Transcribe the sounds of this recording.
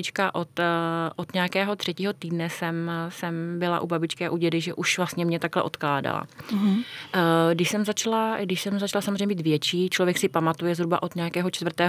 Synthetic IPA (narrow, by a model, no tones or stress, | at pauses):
ɪt͡ʃkaʔot̪ʔot̪ɲɛakɛːɦot̪r̝̥ɛciːɦo̞t̪iːdnɛsɛmsɛmbɪla̰ʔubabɪt͡ʃkɛaʔuɟɛdɪʒɛʔuʃvlast̪ɲɛmɲɛt̪aklɛʔo̞̰t̪klaːda̰la̰ | ɡdɪʃsɛmzat͡ʃlaɡdɪʃsɛmzat͡ʃalasamzreɲɛbiːt̪vjɛt͡ʃiːt͡ʃlovjɛksɪpamat̪ujɛzɦɾuba̰ʔot̪ɲɛakɛːɦo̞t͡ʃt̪vrt̪ɛːɦ